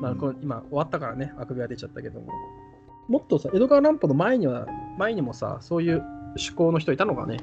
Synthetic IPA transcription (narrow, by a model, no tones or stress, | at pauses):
makonimao̞βat̪ːakaɾane̞akɯ̟bʲiad̪e̞t͡ɕat̪ːake̞d̪o̞̰mo̰ | mo̞t̪ːo̞saʔe̞d̪oɡaːɾãmpono̞mae̞ɲ̟iβamae̞ɲ̟imo̞sa̰so̞ːjɯ̟ːɕɨ̥ko̞ːno̞çit̪oit̪ano̞ka̰ne̞̰